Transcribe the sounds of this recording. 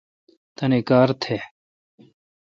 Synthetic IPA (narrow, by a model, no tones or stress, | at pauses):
t̪ɐnekaːɾt̪ʰeː